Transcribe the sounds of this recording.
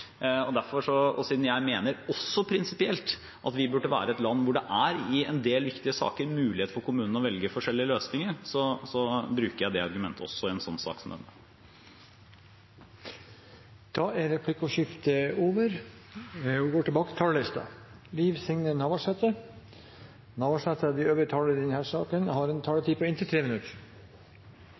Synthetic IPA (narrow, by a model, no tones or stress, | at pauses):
ɔd̪æɾfɔʂɔɔ̰siːd̪n̩jæɪmeːnəɾɔsːɔpʰɾɪnsɪpɪɛlt̪ | ʔɑt̪ʋɪbʉɖːəʋæ̰ːɾəɛt̪lɑnːʋʊɖɛʔæɾɪɛnd̪eːlʋɪkt̪ɪəsɑ̰ːkəɾmʉːlɪheːt̪fɔɾkʰʊmʉːnn̩ɔʋɛlɡəfɔʂɛlːɪəløːsnɪŋəɾsɔsɔbɾʉːkəɾjæɪd̪ɛɑɾɡʉmɛnt̪ʰəɔ̰sːɔɪɛnsɔnːsɑ̰ːksɔmd̪ɛ̰nːə | d̪̥ɑːæɾɛpʰlɪkːɔʃɪft̪əoːʋəɾ | ʋɪɡoːʈʰɪbɑːkət̪ɪ̥t̪ʰɑːləlɪst̪ɑ̰liːʋsɪŋnənɑʋɑʂɛt̪ə | nɑʋɑʂɛt̪ʰəd̪ɪøːʋəɾət̪ʰɑːləd̪ɛnhæːʂɑːkənhɑɾɛnt̪ʰɑːɖ̪ət̪ʰiːpʰɔɪnt̪ət̪ʰɾeːmɪnʉt̪əɾ